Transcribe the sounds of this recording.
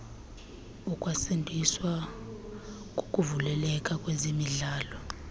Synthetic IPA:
ukʼwasendʱiswa | kʼokʼuvulɛlɛkʼakʼwezimiɮaːlɔ

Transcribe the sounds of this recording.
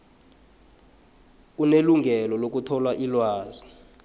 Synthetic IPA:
uneluŋɡʱɛlɔlok̬utʰɔlwaʔilwaːzi

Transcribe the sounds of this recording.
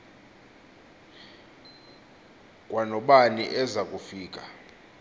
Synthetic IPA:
kʼwanɔɓanḭʔɛzakʼufiːk̬ʼa

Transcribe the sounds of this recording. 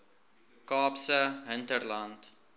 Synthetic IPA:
kɑːpsəɦəntərlɐnt

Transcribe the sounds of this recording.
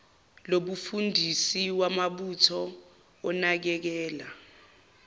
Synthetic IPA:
loɓufundʱisiwamaɓutʰɔ | ɔnak̬ɛk̬ɛːla

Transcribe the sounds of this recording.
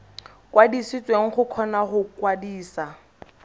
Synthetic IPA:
kwadisɪt͡sʼweŋ̩χʊkʰɔnaχʊkwadiːsa

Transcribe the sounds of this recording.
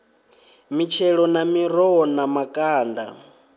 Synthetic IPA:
mit͡ʃʰɛɺɔnamiɾɔɔnamakʼaːnda̰

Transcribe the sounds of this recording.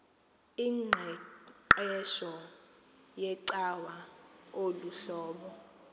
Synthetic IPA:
iŋ͡ǀʱɛǃɛʃɔ | jɛǀawaoluɬɔːɓɔ

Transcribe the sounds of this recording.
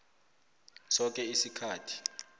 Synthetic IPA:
sɔk̬ʼɛisikʰaːtʰi̥

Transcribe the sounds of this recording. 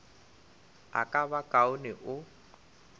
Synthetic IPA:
a̰kʼabakʼaʊnɪʔʊ

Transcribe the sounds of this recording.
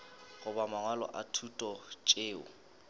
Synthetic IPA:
ɣʊbamaŋwalɔ̰ʔatʰutʼɔt͡ʃʼeːʊ̰

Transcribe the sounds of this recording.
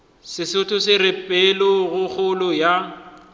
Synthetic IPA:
sɪsʊtʰʊsɪrɪpʼɛlʊɣʊk͡xʊlʊja

